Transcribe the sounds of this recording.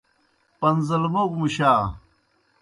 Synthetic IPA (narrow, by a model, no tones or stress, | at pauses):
pɐnzɐlbokmuɕaː